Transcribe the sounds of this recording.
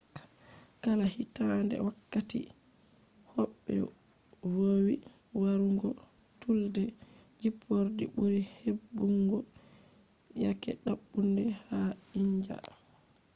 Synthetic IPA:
kalahitandɛ̰wakːatḭ | hɔɓːɛ̰ | wowi | waɾuŋɡɔ | tuldɛ | d͡ʒipʰːoɾdibuɾihebːuŋɡɔ | jakɛɗaɓːundɛhaiɲd͡ʒa̰

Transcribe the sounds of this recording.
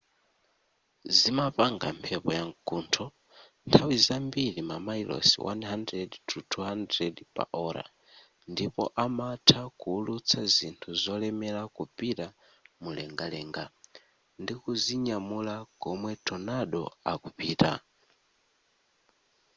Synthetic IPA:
zimapaŋɡa̰mpʰɛpɔjaŋɡuːntʰɔ | ntʰawizambilimamailɔ̰siwʔa̰nɦandɾɛditʰutʰuɦandɾɛdipʼa̰ʔɔɾa̰ | ndipɔ̰ʔamatʰakuːlut͡sʰazintʰuzɔlɛmɛlakupita | mulɛŋɡalɛŋɡa | ndikuziɲamulaɡ̥ɔmwɛtʰɔnaɗɔ̰akupiːta̰

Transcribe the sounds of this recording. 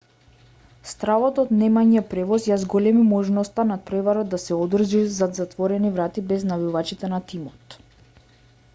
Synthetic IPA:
st̪ɾavɔt̪ɔt̪nɛmaɲɛpɾɛvɔsjazɡɔlɛmimɔʒnɔst̪anat̪̚pɾɛvaɾɔd̪̚d̪asɛɔd̪r̩ʒizad̪zat̪vɔɾɛnivɾat̪ibɛznavivat͡ʃit̪ɛnat̪imɔt̪

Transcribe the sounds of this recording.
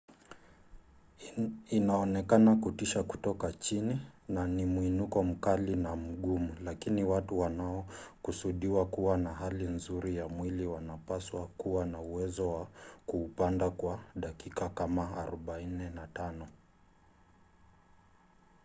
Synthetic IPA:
inaɔnɛkanakutiʃaku̥tɔkat͡ʃininanimuinukɔm̩kalinam̩ɠumulakiniwatuwanaɔkusuɗiwakuwanaɦalinzuɾijamwiliwanapaswakuwanauwɛzɔwakuːpandakwaɗakikakamaaɾɔɓainɛnatanɔ

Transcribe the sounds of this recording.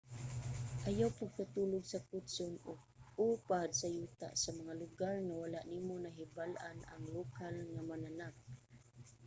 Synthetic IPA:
ʔajawpaɡ̚t̪at̪uːlʊɡsakʊt̪sonʊɡ | uːpad̪sajuːt̪a̰ʔsamaŋalʊɡaɹŋawalaʔniːmonaɦɪbalʔana̰ŋlukalŋamananak̚

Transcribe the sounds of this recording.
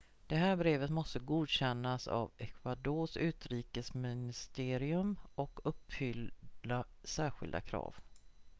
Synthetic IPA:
d̪̥ɛɦæːɾbɾeːvət̪mɔst̪əɡuːd̪ɕɛnːasa̰vɛkʰvad̪oːʂʉ̟ːt̪ɾiːkəsmɪnɪst̪eːɾɪɵmɔkɵpːfʏla | sæːɾɧɪ̰ld̪a̰kʰɾɑ̰ːv

